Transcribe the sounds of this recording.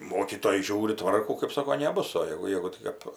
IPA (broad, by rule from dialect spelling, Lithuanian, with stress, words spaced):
ˈmoːkʲiːtoːjɛ ˈʒʲuːrʲɪ ˈtʋɐrkuː kɜp ˈsoːkoː nʲɛˈbʊs oː ˈjæːɡʊ ˈjæːɡʊ ˈtʲɪk ɐp